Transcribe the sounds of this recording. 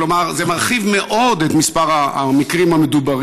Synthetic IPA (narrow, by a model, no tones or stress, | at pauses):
lomaʁzemaʁχivme̞ʔo̞d̪et̪mispaʁa̰mikʁimhamed̪ubaʁ